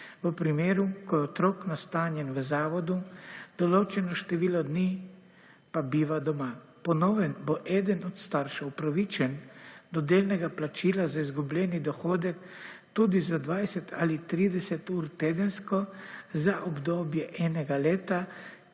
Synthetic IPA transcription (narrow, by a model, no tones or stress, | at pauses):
ʋəpɾimeːɾukɔjɛɔt̪ɾoːknast̪aːnjɛnʋəzaːʋɔd̪ud̪̥ɔloːt͡ʃɛnɔʃt̪ɛʋiːlɔd̪niː | pabiːʋad̪ɔma | pɔnɔːʋɛnbɔʔɛːd̪ənɔt̪st̪aɾʃɛwpɾaʋiːt͡ʃɛnd̪ɔd̪eːlnɛɡaplat͡ʃiːlazaizɡublɛːnid̪ɔxoːd̪ɛkt̪uːd̪izad̪ʋajsɛt̪ʰa̰lit̪ɾiːd̪ɛsɛt̪uːɾt̪eːd̪ənskɔzaʔɔbd̪oːbjɛʔɛːnɛɡaleːt̪a